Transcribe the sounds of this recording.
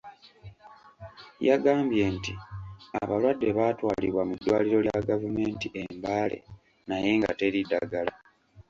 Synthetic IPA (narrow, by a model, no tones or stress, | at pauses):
jaɡaːmbje̞ntia̰βalwadːe̞βatwaːliβwamudːwaːliɾo̞ljaɡavume̞ːntiʔe̞mbaːle̞̰ | naje̞ːŋɡa̰te̞ɾidaɡala